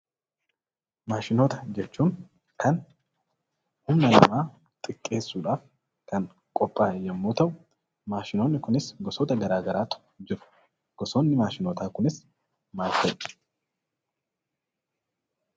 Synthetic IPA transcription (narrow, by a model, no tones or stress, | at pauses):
maːʃɪnoːt̪ɐ̥d͡ʒɛt͡ʃːuːn | kɐn | hʊmnɐlɐmaː | t̪ʼɪkʼːe̞ːsːuːᶑaːf | kɐn | kʼɔpʼːaːjɐmːoːt̪ɐw | maːʃɪnoːnːɪkʊnɪsɡɔsoːt̪ɐɡɐɾaːɡɐɾaːt̪ʊ̥ | d͡ʒɪɾʊ̥ | ɡ̥ɔsoːnːɪmaːʃɪnoːt̪aːkʊnɪs | maːfɐj